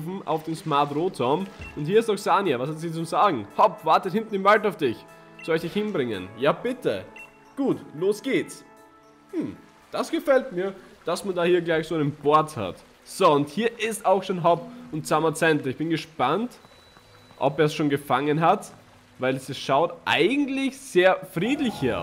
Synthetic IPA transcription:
fm̩ʔa̰ʊfd̥eːmsmaɐtʁoːtʰɔɐmʊnthiːɐɪstaʊxsaːnjavashatsiːt͡sʊmzaːɡŋ̩hɔpv̥aɐtəthɪntn̩ɪmvaltaʊfd̥ɪç | sɔlɪçd̥ɪçhɪnbʁɪŋə̰njaːb̥ɪtʰə̰ | ɡ̥uːtloːsɡ̥eːs | m̩ | d̥asɡ̥əfɛltmiːɐd̥asmandaːhiːɐɡlaɪçsoːaɪnənb̥oɐtha̰t | z̥oʊnthiːɐʔɪstaʊxʃoːnɦɔp̚ʊnt̚t͡samɐt͡sɛntləɪçb̥ɪnɡəʃpant | ʔɔ̰peːɐsʃoːnɡəfaŋənɦat | vaɪlsɪsʃaʊtʔa̰ɪɡŋ̩tlɪçz̥eːɐfʁiːtlɪçhɐ̰ɐ

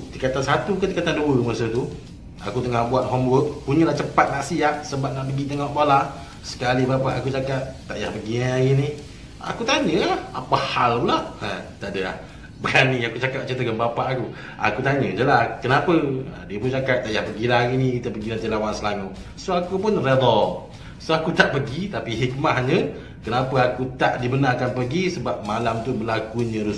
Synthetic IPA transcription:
t̪ikat̪ansat̪ukət̪ikat̪anduəmərsət̪u | a̰kut̪əŋahbuat̪̚ɦɔmbəʔpuɲəlaht͡ʃəpat̪̚naʔsiaʔsəbat̪̚naʔpəɡit̪əŋɔʔbala | sə̥kalibapaʔakut͡ʃakat̪̚ːaʔja̰hbəɡiaɡini | a̰kut̪aɲəlahapahalpulaʔə̃t̪adəla̰h | bəɡaniakut͡ʃakap̚t͡ʃint̪əkanbapaʔaku | a̰kut̪aɲəd͡ʒəlahkənapəə̰diəpunt͡ʃakat̪̚t̪ːaʔjahpəɡilahaɡinikit̪əpəɡinant̪ilawansəlaŋu | soakupʊnred̪ɔ | soakut̪aʔpəɡit̪apiɦik̚mahɲə | kənapəakut̪aʔdibənarkanpəɡisəbap̚malamt̪ubəlakuɲə̃ɾus

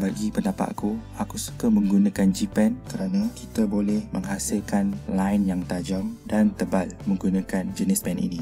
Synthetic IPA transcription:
baɡipəndapa̰ʔ̪kuakusu̥kamə̃ŋɡunãkand͡ʒipɛnkəɾanãkit̪abolɛhmə̃ŋɦasɪlkanlaɪnjaŋt̪ad͡ʒaŋdant̪əbalmə̃ŋɡunãkand͡ʒənɪspɛnʔḭnĩ

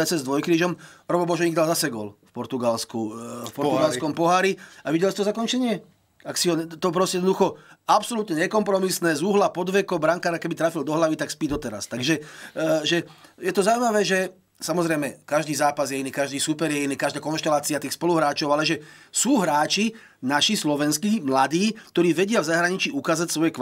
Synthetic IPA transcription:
ɛt͡sɛzd̪ʋɔjkɾiːʒɔmɾɔbɔbɔʒɛɲiɡd̪alzasɛɡɔ̰lfpɔɾt̪uɡalskufpɔɾt̪uɡalskɔmpɔɦaːɾiaʋiɟɛlsit̪ɔzakɔnt͡ʃɛɲɪɛ | aksiɦɔt̪ɔpɾɔscɛɛd̪nd̪uxɔapsɔlut̪ɲɛɲɛkɔmpɾɔmisnɛːzuɦlapɔd̪ʋɛkɔbɾaŋkaːɾakɛbit̪ɾaːfild̪ɔɦlaʋit̪akspid̪ɔt̪ɛɾa̰st̪aɡʒɛʒɛjɛt̪ɔzauwimaʋɛːʒɛ | samɔzɾɛjmɛkaʒd̪iːzaːpazjɛiniːkaʒd̪iːsupɛɾjɛiniːkaʒd̪aːkɔnʃt̪ɛlaːt͡siat̪iːxspɔluɦɾaːt͡ʃɔʊalɛʒɛsuːɦɾaːt͡ʃi | naʃislɔʋɛnskimlad̪iːkt̪ɔɾiːʋɛɟɪavzaɦɾaɲit͡ʃiukaːzacsʋɔjɛk

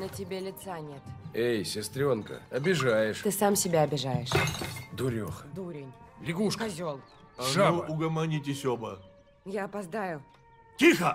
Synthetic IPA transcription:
nətʲɪbʲelʲɪt̪sanʲet̪ejsʲɪst̪ɾʲo̞nkə̰ɐbʲɪʐajɪʂt̪ɨsamsʲɪbʲaɐbʲɪʐajɪʂd̪ʊɾʲo̰xd̪uɾʲɪnʲlʲɪɡuʂkɐzʲolˠ | aʒauʊɡəmɐnʲitʲɪsʲobə | jaɐpɐzd̪ajʊ | tʲixə

